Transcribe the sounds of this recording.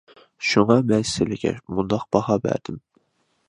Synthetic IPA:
ʃuŋɑmɛsɪlɪkʲʰɛ̰mund̪ɑq̚b̥ɑhɑbæ̰ɾd̪̥ɪm

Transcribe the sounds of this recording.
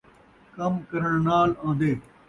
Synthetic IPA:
kɐmkɐɾəɳ̃naːlãːnd̪eː

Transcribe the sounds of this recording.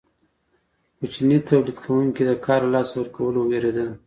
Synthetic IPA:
kut͡ʃnit̪awlid̪kʰawuŋked̪əkʰɑɾalɑswəɾkawəloweɾed̪əl

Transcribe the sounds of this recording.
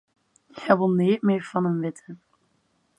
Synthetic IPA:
jɛʋəlˠniːt̚mɪːɹv̥ɑnənʋɪtʰə

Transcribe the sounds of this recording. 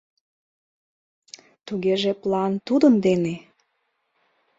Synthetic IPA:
t̪uɣeʒeplɑnt̪ud̪ənd̪ene

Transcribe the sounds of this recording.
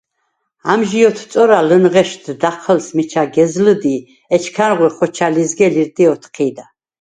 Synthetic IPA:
amʒijɔt̪ʰsʼɔɾalənʁɛʃd̪d̪aχʰəlsmit͡ʃʰaɡɛzləd̪i | ɛt͡ʃʰkʰanʁwiχɔt͡ʃʰalizɡɛliɾt̪ʼiɔt̪ʰqʰiːd̪a

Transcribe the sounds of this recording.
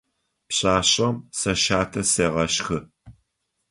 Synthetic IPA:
pɕʼaːɕʼɐmsɐʃaːtʰɐseːʁɐʃxɨ

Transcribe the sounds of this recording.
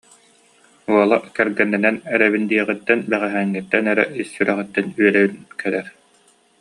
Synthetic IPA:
uɔlˠaʔkɛɾɡɛnːɛnɛnɛɾɛβind̪iɛʁit̪ːɛnbɛʁɛɦɛːŋːit̪ːɛnɛɾɛ̰isːyɾɛʁit̪ːɛnyɛlɛβynkɛɾɛɾ

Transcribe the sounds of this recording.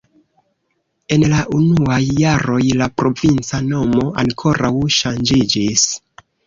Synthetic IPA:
e̞nlaʔunuajːaɾo̞jlapɾo̞vint͡sano̞mo̞ʔaŋkʰo̞ɾawʃand͡ʒid͡ʒis

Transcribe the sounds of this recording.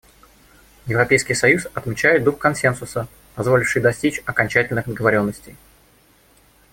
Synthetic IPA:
jɪvɾɐpʲejskʲɪjsɐjusɐt̪mʲɪt͡ɕæjɪt̪̚d̪uxkɐnsʲe̞nsʊsə | pɐzvo̞lʲɪfʂɨjd̪ɐsʲtʲit͡ɕɐkɐnʲt͡ɕætʲɪlʲnɨxd̪əɡəvɐɾʲo̞nːəsʲtʲɪj

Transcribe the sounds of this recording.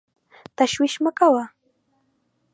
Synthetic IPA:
t̪aʃwɪʃmakawa

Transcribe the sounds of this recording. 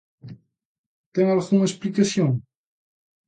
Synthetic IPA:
t̪ẽŋalɣumɐeʃplikɐsjõŋ

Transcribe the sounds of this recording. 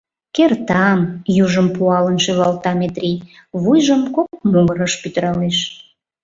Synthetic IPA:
kert̪ɑmjuʒəmpuɑlənʃeβɑlt̪ɑmet̪rʲi | βujʒəmkok̚muɣəɾəʃpyt̪əɾɑleʃ

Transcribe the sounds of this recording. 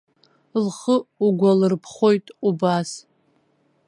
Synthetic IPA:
lχəuɡʷalɨrpʰχʷo̞jtʼubas

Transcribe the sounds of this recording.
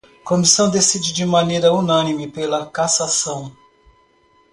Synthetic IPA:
komisɐ̃w̃d̪esid͡ʒɪd͡ʒɪmɐnejɾɐunɐ̃nimɪpelɐkasasɐ̃w̃

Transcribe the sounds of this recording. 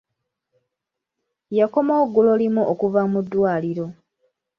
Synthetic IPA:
jako̞moːɡːulo̞limuʔokuvamudːwaːliɾo̞

